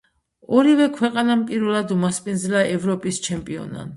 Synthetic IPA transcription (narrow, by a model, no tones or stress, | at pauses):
ɔɾivɛkʰwɛqʼanampʼiɾvɛlˠad̪umaspʼinzlaʔɛvɾɔpʼist͡ʃʰɛmpʼiɔ̰na̰n